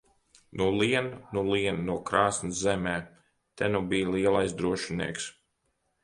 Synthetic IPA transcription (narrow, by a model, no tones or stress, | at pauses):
nuliɛnnuliɛnnuɔkɾaːsnizzɛmɛː | t̪ɛnubijliɛlˠajsd̪ɾuɔʃinḭɛks